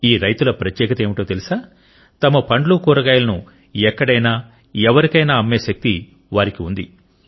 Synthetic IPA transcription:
iːɾɐjt̪ulɐpɾɐt̪jɛːkɐt̪eːmiʈoːt̪elisaː | t̪ɐmɐpɐɳɖlukuːɾɐɡaːjlɐnu | ɛkːɐɽɐjnaː | ɛʋɐɾikɐjnaːɐmːeːʃɐk̚t̪i | ʋaːɾikiund̪i

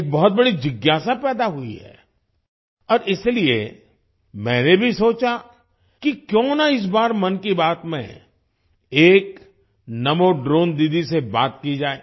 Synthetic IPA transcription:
eːk̚bɔɦʊt̪̚bɐɽid͡ʒɪɡjaːsapɛːd̪aɦʊḭɦɛ̰ː | ɔːɾʔɪsliḛ | mɛ̃ːnebʱisoːt͡ʃa | kikjõːnaɪs̬baːɾmɐnkibaːt̪mḛ̃ | eːk | nɐmoɖɾoːnd̪id̪iseba̰ːt̪kid͡ʒaːeː

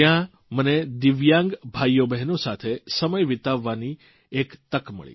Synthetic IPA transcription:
jã | məned̪ɪʋjãŋɡbʱajobɛɦnosat̪ʰesəməjʋɪt̪aʋːani | ekt̪əkmə̰ɭḭ

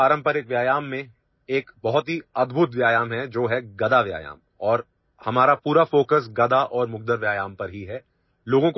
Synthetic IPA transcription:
aːɾə̃mpəɾjɪkʋjaːjaːmːẽ | eːkbɐɦʊt̪ɦiɐd̪bʱʊt̪ʋjaːjaːmɦɛd͡ʒoːɦɛɡɐd̪aʋja̰ːja̰ːm | ɔːɾ | hɐmaːɾapuːɾafoːkəsɡɐd̪aʔɔːɾmʊɡ̚d̪əɾʋjaːjaːmpɐɾɦiɦɛ | loːɡõk

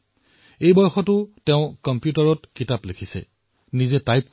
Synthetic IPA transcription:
ejbɔɹxɔtʊteʊ̃kɔmpjutaɹɔtkitaplekʰisɛ̰ | nizɛtajp̚k

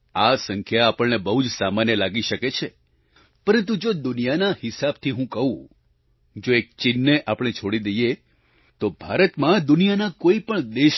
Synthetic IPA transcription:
asəŋkʰjaːpəɭnebəɦud͡ʒsamanjəlaɡiʃəket͡ʃʰe | pəɾə̃nt̪ud͡ʒod̪ʊnijanahɪsab̚t̪ʰiɦũkəɦũ | d͡ʒoek̚t͡ʃɪnːeʔapɽ̃et͡ʃʰoɽid̪eje | t̪obʱaɾət̪mãd̪ʊnijanakoipəɳd̪eʃ

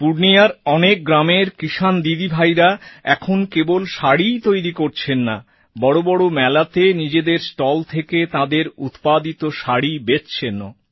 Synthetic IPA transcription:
puɽnijaɾɔnek̚ɡɾameɾkiʃand̪id̪ibʱajɾaɛkʰonkebolʃaɽijt̪ojɾikoɾt͡ɕʰenːa | bɔɽobɔɽomɛlat̪enid͡ʑed̪eɾsʈɔlt̪ʰeket̪ad̪eɾṵt̪pad̪it̪oʃaɽibett͡ɕʰeno̰

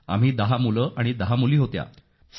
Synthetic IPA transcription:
a̰m̤iːd̪aɦamuləʔaɽ̃id̪aɦamuliːɦot̪ja̰ | s

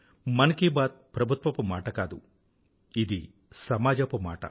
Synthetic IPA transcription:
mɐnɐkibaːd̪̚pɾɐbʱut̪ʋɐpumaːʈɐkaːd̪u | id̪i | sɐmaːd͡ʒɐpuma̰ːʈɐ̰

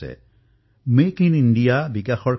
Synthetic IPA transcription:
ɛ̰ | mekinindijabikaxɔɹ

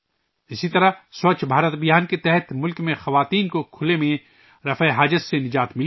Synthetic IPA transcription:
ɪsit̪ɐɾasoːt͡ʃbʱaːɾət̪bɪjaːnket̪ɛɦət̪ʰmʊlkmẽxɐʋaːt̪iːnkokʰʊlemẽ | ɾɐfeɦaːd͡ʒət̪senɪd͡ʒaːt̪mɪl

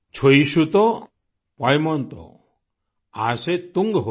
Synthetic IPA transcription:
t͡ʃʰoisut̪ɔ | pajmɔnt̪ɔ̰ | aset̪uŋɡɦ

